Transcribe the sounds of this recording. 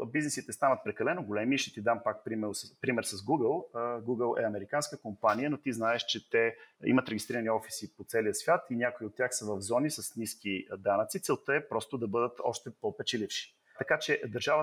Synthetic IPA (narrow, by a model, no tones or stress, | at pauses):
biznɛsit̪ɛst̪anət̪̚pɾɛkɐlɛnoɡolɛmiʃɛt̪id̪ampak̚pɾimɛɾspɾimɛɾsɐzɡuɡəlˠɡuɡəlˠɛ̰ɐmɛɾikanskəkompanijənot̪iznaɛʃt͡ʃɛt̪ɛḭmət̪ɾɛɡʲist̪ɾiɾəniɔfi̥sipot̪sɛlijəsvʲjat̪inʲjakoiot̪t̪ːʲjaxsəvəvzɔnisəsniskid̪anət̪sit̪sɛlˠt̪əɛpɾɔst̪od̪ɐbɤd̪ət̪ɔ̰ʃt̪ɛpopɛt͡ʃɛlifʃi̥ | t̪ɐkat͡ʃɛd̪ɐɾʒavə